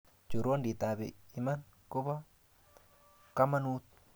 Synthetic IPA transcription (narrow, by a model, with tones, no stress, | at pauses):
t͡ʃu˨ɾo˦ndi˨t̪a˨bḛ˨i˦ma˦n | kʊ˦ba˦ | ka˦ma˦nu˦t̪̚